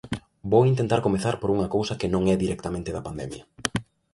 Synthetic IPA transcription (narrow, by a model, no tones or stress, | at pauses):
bowint̪ent̪aɾkomeθaɾpoɾuŋɐkowsɐkɪnõŋɛðiɾɛk̚t̪ɐmẽnt̪ɪðɐpand̪ɛ̰mjɐ